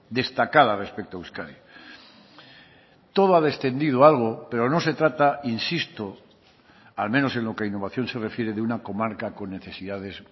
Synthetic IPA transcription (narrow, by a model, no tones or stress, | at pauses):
d̪e̞st̪akaðarespek̚t̪oawskaɾi | t̪o̞ðoaðe̞st̪e̞nd̪iðoalɣ̞ope̞ɾo̞no̞se̞t̪ɾat̪ainsist̪o | almẽno̞sẽ̞nlo̞keainːo̞β̞aθjo̞nse̞re̞fje̞ɾeðeunako̞maɾkako̞nːe̞θe̞siðaðe̞s